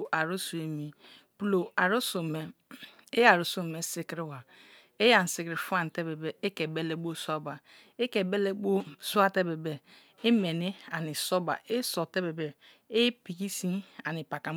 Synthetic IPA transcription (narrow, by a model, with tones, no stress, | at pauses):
ʔa˨ɾu˦su˨e˨mi˨ | pu˦lo˨a˨ɾu˦so˨me˨ | e˦ja˨ɾu˨su˦˨me˨si˦kɾi˦wa˨ | e˦ja˨n̩˨si˨kɾi˨fu˦a˦˨n˨te˦be˨be˦e˦ke˨be˦le˦ɡ͡bo˦so˦ba˨ | e˦ke˨be˦le˦ɡ͡bo˦su˦a˦˨te˦be˨be˨ | i˦me˨ni˦a˨ni˨so˦ba̰˨ʔe˦so˨te˦be˨be˨ | e˦pi˨ki˦si˦a˨ni˨pa˨ka˨